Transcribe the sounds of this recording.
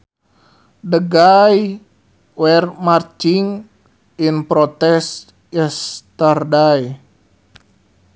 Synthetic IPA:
dəɡaj | wɛrmart͡ʃiŋ | inpɾot̪ɛs | jast̪ardaj

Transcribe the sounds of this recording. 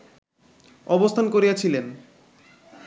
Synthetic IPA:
ɔbost̪ʰankoɾijat͡ɕʰilen

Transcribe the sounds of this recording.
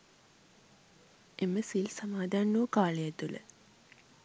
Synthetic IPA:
eməsilsamaːd̪anːukaːləjət̪ulə̰

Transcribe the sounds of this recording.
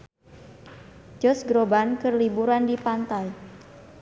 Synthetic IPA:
d͡ʒɔsɡɾobankərlibuɾandipant̪aj

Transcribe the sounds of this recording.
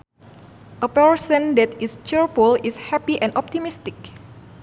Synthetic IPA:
ʔəpɛɹsə̃ndɛt̪ist͡ʃɛɹfulishɛpiʔɛ̃nʔɔp̚t̪imist̪ɪk̚

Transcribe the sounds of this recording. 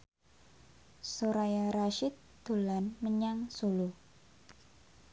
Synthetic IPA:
soɾajaɾaʃɪt̪̚d̪̥o̤lanməɲaŋsulu

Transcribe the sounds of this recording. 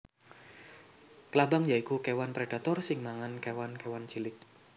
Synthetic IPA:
kəlabaŋjaikukewanpɾed̥a̤t̪ɔrsɪŋmaŋankewankewant͡ʃilɪk̚

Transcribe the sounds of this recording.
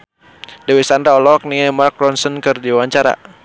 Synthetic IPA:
dɛwisandɾaɔlɔk̚niamark̚ɾɔnsənkɨrdiwaɲt͡ʃaɾa̰

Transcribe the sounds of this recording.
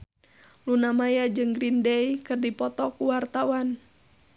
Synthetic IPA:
lunamajad͡ʒɨŋɡɾindɛjikɨrdipɔt̪ɔkuwart̪awan

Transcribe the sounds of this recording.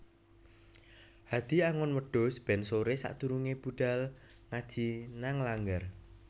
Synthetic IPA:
had̪̥iaŋɔnwəɖ̥ɔ̤sb̥ɛ̤nsoɾesa̰ʔt̪uɾuŋeb̥uɖ̥a̤l | ŋad̥ʒ̥inaŋlaŋɡər

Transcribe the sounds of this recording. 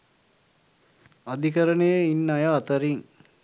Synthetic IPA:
ɐd̪ikəɾənejəinːajaːt̪əɾiŋ

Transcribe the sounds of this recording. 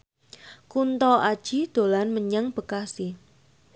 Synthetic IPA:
kunt̪ɔʔad̥ʒ̥id̪̥o̤lanməɲəŋb̥əkasi

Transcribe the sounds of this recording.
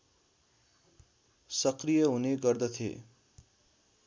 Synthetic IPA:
sʌkrijʌɦuneɡʌrd̪ʌt̪ʰḛ

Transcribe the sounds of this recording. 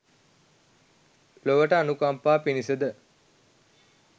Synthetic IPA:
loʋəʈəanukampaːpinisəd̪ə

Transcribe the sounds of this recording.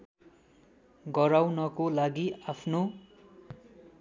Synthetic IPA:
ɡʌɾawnʌkolaɡiapʰno

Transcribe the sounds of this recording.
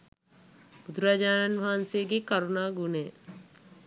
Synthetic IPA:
bʊd̪ɾad͡ʒaːnənbʱaːnseɡekɐɾunaɡʊne

